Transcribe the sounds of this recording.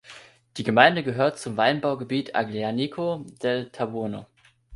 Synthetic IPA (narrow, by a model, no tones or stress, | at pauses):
d̥iːɡəmaɪndəɡəɦøːɐtt͡sʊmvaɪnbaʊɡəbiːtʰʔa̰ɡleanikʰod̥ɛtʰabʊɐno̰